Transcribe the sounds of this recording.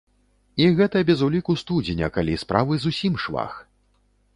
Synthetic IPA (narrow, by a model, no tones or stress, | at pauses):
iɣɛt̪ɐbʲɛzulʲikust̪ud͡zʲinʲɐkalʲispɾavɨzusʲimʂva̰x